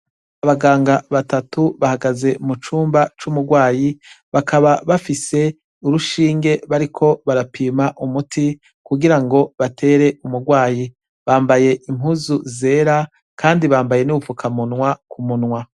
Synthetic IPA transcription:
aβaɡaːŋɡaβatatuβahaɡaze̞mut͡ʃuːmbat͡ʃumuɡwaːji | βakaβaβafise̞ | uɾuʃiːŋɡe̞βaɾikʰo̞βaɾapiːmaʔumutʰi | kuɡiɾaŋɡo̞βatʰe̞ːɾe̞umuɡwaːji | βaːmbaje̞ʔimhuzuze̞ːɾa | kʰaːndiβaːmbaje̞nuufukʰamunwakumunŋwa

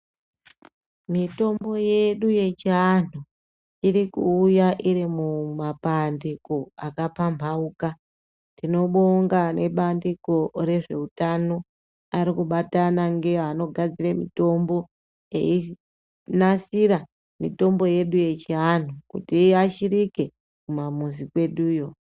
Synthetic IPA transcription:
mito̞mbo̞je̞ɗuje̞t͡ʃiɦan̤u | iɾikuːjaʔiɾimumapandiko̞akapambʱauka | tino̞ɓoŋɡane̞ɓandiko̞ɾe̞ʐe̞utano̞ | aɾikuɓatanaŋɡe̞ano̞ɡʱad͡ziremḭto̞mbo̞ | ḛi | nasiɾa | mito̞mbo̞je̞ɗuje̞t͡ʃiɦan̤ukutiaʃirike̞ | kumamuzikwe̞ɗuːjo̞

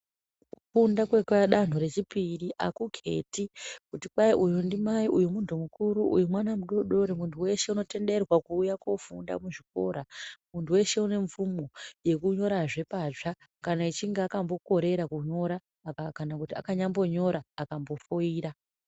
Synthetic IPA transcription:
fundakwekaɗan̤oɾe̞t͡ʃipiɾiʔakukʰe̞̰tikutikwaiʔujundimaiʔujumuntʰumukuɾuʔṵjumwanamuɗo̞ɗo̞ɾemuntʰuwe̞ʃe̞uno̞te̞nde̞rwakuːjakofunda̰muʐiko̞̰ːɾamuntʰuwe̞ʃe̞une̞ɱfumoje̞kuɲo̞ɾaʐe̞paʐa | kanait͡ʃiŋɡeakambo̞ko̞ɾe̞ɾakuɲo̞ɾaː | kakanakutia̰kaɲambo̞ɲo̞ɾaːkambo̞foiːɾa

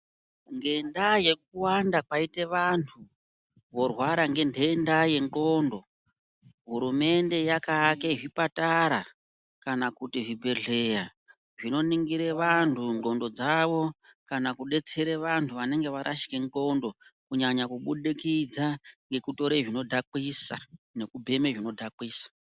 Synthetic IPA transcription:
ŋɡe̞ndaje̞k̚uwandapaite̞ʋantʰu | ʋo̞rwaɾaŋɡe̞ndendaje̞ŋkoːndo̞ | ɦuɾume̞nde̞jakakeʐipataɾa | kanakutiʐibʱe̞ɮe̞ja | ʐino̞niŋɡiɾe̞ʋantʰuŋɡo̞ndo̞d͡zaʋo̞kanakuɗe̞t͡se̞ɾeʋantʰuʋane̞ŋɡe̞ʋaɾʔaʃi̥ke̞ŋko̞ndo̞kuɲaɲakuɓuɗikid͡zaŋɡe̞kuto̞ɾeʐino̞dʱakwisa̰ne̞kubʱe̞meʐino̞dʱakwiːsḁ

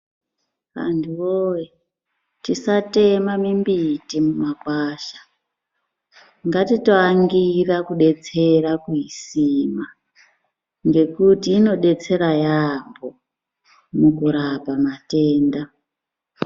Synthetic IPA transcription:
ʋa̰ntʰuoje | tisate̞mamimbitimumakwaːʃḁ | ŋɡatito̞aŋɡirakuɗe̞t͡se̞rakuisima | ŋɡe̞kutiːno̞ɗe̞t͡se̞ɾajambo | mukuɾapamate̞ːnda

